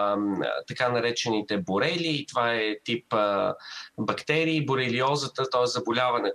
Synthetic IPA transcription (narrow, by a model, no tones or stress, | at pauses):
t̪ɐkanɐɾɛt͡ʃɛnit̪ɛboɾɛlʲiːt̪ovaɛt̪ipə | bɐkt̪ɛɾiːboɾɛliɔzət̪ət̪ɔɛszɐbolʲavɐnɛ